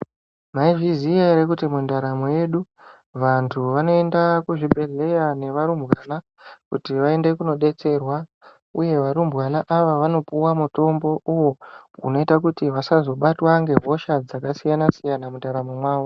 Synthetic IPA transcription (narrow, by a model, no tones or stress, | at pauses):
maiʐiziaiɾekutimundaɾamoje̞ɗu | ʋantʰuʋano̞e̞ndakuʐibʱe̞ɮe̞jane̞ʋaɾumbwaːna | kutiʋae̞nde̞kuno̞ɗe̞t͡se̞rwa | uje̞ʋaɾumbwanaʔaʋaʋano̞puwamuto̞mbo̞ʔuwoṵno̞itak̬utiʋasazo̞ɓatwaŋɡe̞ɦo̞ʃad͡zakasijanasijanamundaɾamomwaːwo